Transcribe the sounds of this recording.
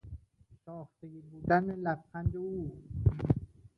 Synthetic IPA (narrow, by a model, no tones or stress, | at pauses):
ʃɒːxt̪eɡiːbuːd̪ænelæfxænd̪euː